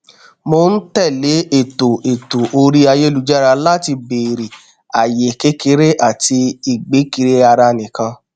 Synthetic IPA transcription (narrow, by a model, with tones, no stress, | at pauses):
mo˧˦n̩˦tɛ˦˨le˨˦e˦˨to˨e˨to˨ʔo˧ɾi˦a˧je˦lu˨˦d͡ʒa˦ɾa˧la˦ti˧beː˨ɾi˨ | a˨je˨ke˦ke˧˦ɾe˦ʔa˦˨ti˧i˨ɡ͡be˨˦ki˧ɾe˦a˧ɾa˧nĩ˨kã˧